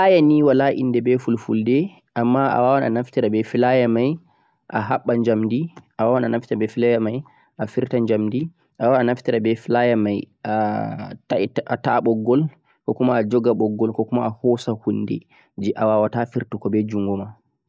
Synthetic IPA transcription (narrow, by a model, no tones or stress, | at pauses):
ʔajaniwalaʔḭndɛbɛfulfuldɛ | ʔamːaʔa̰wawana̰naftiɾabɛfilajamaj | ʔa̰ɦa̰ɓːaɲd͡ʒamdiʔawawananaftiɾabɛfilajamaj | ʔafiɾtaɲd͡ʒamdi | ʔawaanaftiɾabɛfilajamaj | ataʔataɓɔɡːɔl | kɔkumaːd͡ʒɔɡaɓɔɡːɔlkɔkumaahɔsahunːdɛ̰ | d͡ʒɛʔawawatafiɾtukɔbɛd͡ʒuŋɡɔma